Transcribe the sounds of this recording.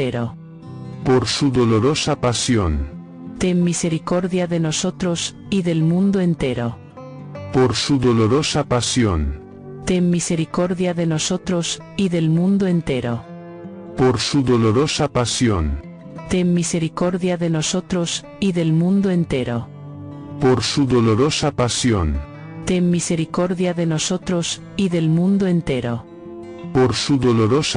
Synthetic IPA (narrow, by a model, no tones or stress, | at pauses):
eɾo̰ | poɾsuðoloɾosapasjo̰n | t̪emːise̞ɾiko̞ɾðjaðe̞noso̞t̪ɾos | iðe̞lmũnd̪oe̞nt̪e̞ɾo̰ | poɾsuðoloɾosapasj̰n | t̪emːise̞ɾiko̞ɾðjae̞nosot̪ɾos | iðe̞lmũnd̪oe̞nt̪e̞ɾo̰ | poɾsuðoloɾosapasjo̰n | t̪emːise̞ɾiko̞ɾðjaðe̞nos̞t̪ɾos | iðe̞lmũnd̪oent̪e̞ɾo̰ | poɾsuðoloɾosapasjo̰n | t̪emːise̞ɾiko̞ɾðjaðe̞nosot̪ɾos | iðe̞lmũnd̪oent̪e̞ɾo̰ | poɾsuðoloɾos